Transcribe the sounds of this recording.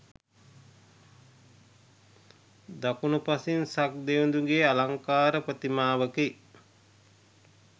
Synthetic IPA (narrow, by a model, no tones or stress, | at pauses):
d̪akunupasinsak̚d̪eund̪uŋɡeːalaŋkaːɾəpət̪imaːʋəke